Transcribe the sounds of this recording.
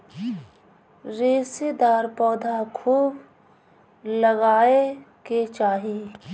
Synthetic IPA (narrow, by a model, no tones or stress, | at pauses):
ɾeːsed̪aːɾpɔːd̪ʱakʰuːb | ləɡaːeket͡ʃaːɦi